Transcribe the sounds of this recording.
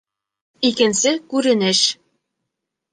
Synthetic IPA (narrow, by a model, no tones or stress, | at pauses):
ikɘ̆nsɘkʉɾɘ̆nɘ̆ʃ